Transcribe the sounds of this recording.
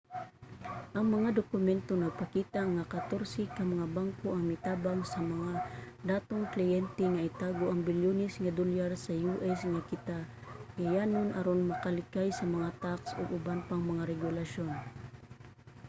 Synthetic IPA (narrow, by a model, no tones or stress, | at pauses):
ʔɐŋmɐŋad̪okʊmɛnt̪onɐɡ̚pɐkiːt̪aŋakɐt̪oɾsɪkɐmɐŋabaŋkoʔɐŋmɪt̪aːbaŋsɐmɐŋa | d̪aːt̪oŋklɪjɛnt̪ɛŋɐʔɪt̪aːɡoʔɐŋbɪljonɪsŋɐd̪olaɾsɐjuʔɛsŋakɪt̪aɡajaːnonʔɐɾonmɐkɐlɪkajsɐmɐŋat̪aksoɡʊbanpɐŋmɐŋaɾɛɡʊlaʃon